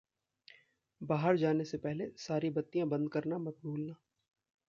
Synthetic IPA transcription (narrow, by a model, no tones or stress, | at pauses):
baːɦəɾd͡ʒaːnesepɛɦlesaːɾibɐt̪ːijãbɐ̃nd̪̚kɐɾnamɐt̪̚buːlnaː